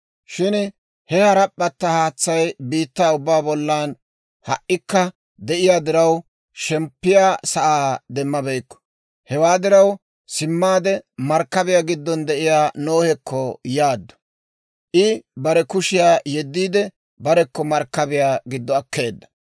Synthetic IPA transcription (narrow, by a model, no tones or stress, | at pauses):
ʃɪn | hɛhɐɾɐpʼːɐt̪ːɐhaːt͡sːɐjbiːt̪ːaːʊbːaːbɔlːaːn | hɐ̰ʔːɪkːɐ | d̪ɛʔɪjaːd̪ɪɾɐw | ʃɛmpːɪjaːsɐʔaːd̪ɛmːɐbɛjkːɔ̥ | hɛwaːd̪ɪɾɐw | sɪmːaːd̪ɛmɐɾkːɐbɪjaːɡɪd̪ːɔnd̪ɛʔɪjaːnoːhɛkːɔjaːd̪ːɔ̥ | ʔɪbɐɾɛkʊʃɪjaːjɛd̪ːiːd̪ɛ | bɐɾɛkːɔmɐɾkːɐbɪjaːɡɪd̪ːɔɐkːe̞ːd̪ːɐ̥